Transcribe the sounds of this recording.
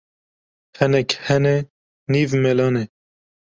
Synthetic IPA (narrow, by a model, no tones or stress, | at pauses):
hɛnɛkhɛne | niːvmelɑːne